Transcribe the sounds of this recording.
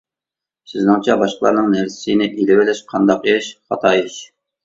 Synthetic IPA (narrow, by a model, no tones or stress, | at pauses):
sɪznɨŋt͡ʃʰɛbɑʃqəlˠɑɾnɨŋnæɾsɪ̥sɨnɪʔilɪwɪlɪʃqʰɑnd̪ɑqjeʃχɑt̪ʰɑːjʃ